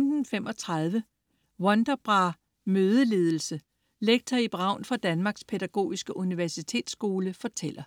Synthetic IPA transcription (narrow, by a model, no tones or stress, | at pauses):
md̥n̩fem̰ʔɒ̽t͡sʰʁɑð̞ˠʋə | wɒ̽nd̥ɐb̥ʁɑ̈ | møːð̞ˠəle̝ːð̞ˠl̩sə | leɡ̥̚t͡sʰɐib̥ʁɑ̈ʊ̰nfʁɑ̈d̥ænmɑ̈ːɡ̥spʰedæɡ̥o̝̰ːisɡ̥əʔuniʋæɐsit͡sʰe̝̰ːd̥sɡ̥o̝ːləfɒ̽t͡sʰel̰ɐ